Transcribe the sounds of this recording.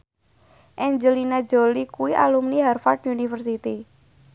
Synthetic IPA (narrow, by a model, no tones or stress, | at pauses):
ʔɛɲd͡ʒəlinḁd͡ʒolikuwiʔa̰lumniɦarfard̪unifərs̬it̪i